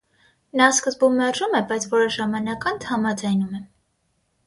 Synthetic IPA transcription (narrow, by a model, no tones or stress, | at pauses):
nɑskəzbummɛrʒumɛbɑjt͡sʰvɔɾɔʒɑmɑnɑkɑnt̪ʰhɑmɑd͡zɑjnumɛ